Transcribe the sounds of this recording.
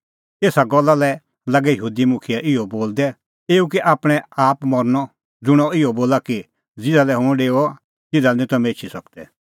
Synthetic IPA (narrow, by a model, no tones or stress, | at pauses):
eːsaɡɔlːalɛ | lɐɡɛjəɦuːd̪imʊkʰɪjɛʔɪɔboːld̪ɛ | eːuk̬iʔaːpɽ̃ɛaːpmɔɾnɔ | d͡zʊɽ̃ɔɪɔboːlaki | d͡zɪd̪alɛɦʊ̃ɖeːɔ | t̪ɪd̪anĩt̪ɔmeːt͡ʃʰisɔk̚d̪ɛ